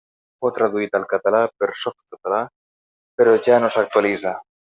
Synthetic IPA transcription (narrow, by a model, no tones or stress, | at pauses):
fot̪ɾaðuit̪alkat̪alapeɾsofkat̪ala | peɾoʝanosak̚t̪walisa